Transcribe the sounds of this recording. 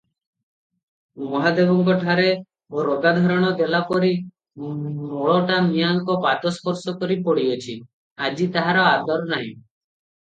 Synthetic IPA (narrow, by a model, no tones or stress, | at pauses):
mɔɦad̪ebɔŋkɔʈʰaɾe | oɾoɡad̪ʱɔɾɔɽ̃ɔd̪elapɔɾi | mɔɭɔʈamijaŋkɔpat̪ɔskʰɔɾsɔkɔɾipɔɽiɔt͡ʃʰi | ad͡ʒit̪aɦaɾɔad̪ɔɾnaɦḭ̃